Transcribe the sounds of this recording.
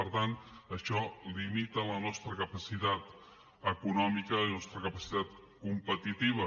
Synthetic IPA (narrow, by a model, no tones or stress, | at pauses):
əɾt̪ant̪əʃɔlimit̪ələnɔst̪ɾəkəpəsit̪at̪ | əkunɔmikəlnɔst̪ɾəkəpəsi̥t̪at̪̚ | kumpət̪it̪iβ̞ə